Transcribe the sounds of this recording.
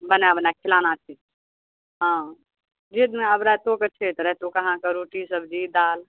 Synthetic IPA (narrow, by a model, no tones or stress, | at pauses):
bənabnakʰilanat͡ʃʰit̪ | ɦã | d͡ʒed̪əbɾat̪oket͡ʃʰet̪ɾɛt̪okəɦãkəɾoʈisəbʱd͡ʒid̪al